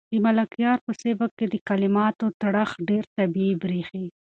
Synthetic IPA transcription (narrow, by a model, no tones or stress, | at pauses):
d̪̥əmalakjɑɾpəsebakːed̪əkalɪmɑt̪ot̪aɽaxɖeɾt̪abiebɾixi